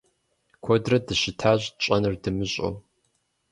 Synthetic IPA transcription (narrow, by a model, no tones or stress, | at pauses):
kʷʰɔdrɐdɨɕɪtʰaːʑʼt͡ʃʼɐnɨrdɨmɨɕʼo̰w